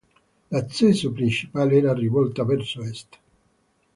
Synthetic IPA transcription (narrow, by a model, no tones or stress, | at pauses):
lat̪sɛːsʊpɾint͡ʃi̥paːleɛːɾarivɔlt̪avɛrsoɛst̪